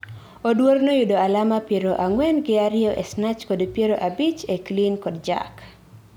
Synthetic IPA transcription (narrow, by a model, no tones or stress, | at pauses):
odwornojudoalamapjeɾoʔaŋwɛnɡɪaɾɪjɔʔḛsnat͡ʃkodpjeɾoʔabit͡ʃeklinkɔdd͡ʒa̰k